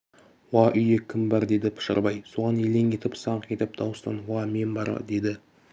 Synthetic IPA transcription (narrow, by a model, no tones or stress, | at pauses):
wɑʔʏjekʲʰɪmbɑɾd̪e̞d̪ɪpʰɪ̥ʃə̰ɾbɑjsoʁɑne̞le̞ŋʲe̞t̪ɪpsɑɴqʲe̞t̪ɪp̚d̪ɑwəst̪ɑ̰nwɑme̞mbɑ̰ɾd̪e̞d̪ɪ